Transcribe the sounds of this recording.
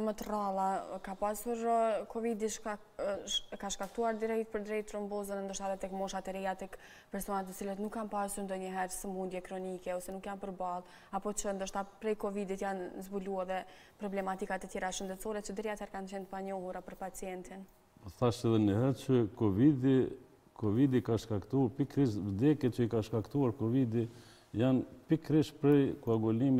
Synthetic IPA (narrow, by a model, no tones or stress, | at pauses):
mət̪ralˠakapasuɾkɔvid̪iʃ | ɛkaʃkakt̪uaɾd̪iɾɛjt̪̚pəɾd̪ɾɛjt̪ɾəmbɔzənɛnd̪əɾʃt̪aðɛt̪ɛkmɔʃat̪ɛɾɛjat̪ɛk | pɛɾsɔnat̪̬ːət͡silət̪nukːanpasuɾnd̪ɔɲəɦɛɾsəmund̪jɛkɾɔnikɛɔsɛnukjanpəɾbalˠ | apɔt͡ʃənd̪əʃt̪apɾɛjkɔvid̪it̪janzbuluɛðɛ | pɾɔblɛmat̪ikat̪ət̪jɛɾaʃənd̪ɛt̪t͡sɔɾɛt͡ɕəd̪əɾiat̪ɛɾkant͡ɕɛnt̪əpaɲɔhuɾapəɾpat͡sjɛnt̪in | θaʃɛðɛnəhɛɾt͡ʃəkɔvid̪i | kɔvid̪ikaʃkakt̪upikɾiʃvəd̪ɛkɛt͡ʃəikaʃkakt̪uaɾkɔvid̪i | janpikɾiʃpɾɛjkuaɡɔlimi